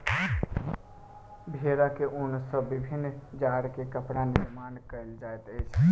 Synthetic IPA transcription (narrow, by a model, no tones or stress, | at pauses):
bʱeɾakeʔʊnsəbibʱinːd͡ʒaɾkekəpɽaniɾmankəɪld͡ʒaet̪əɪt͡ʃʰ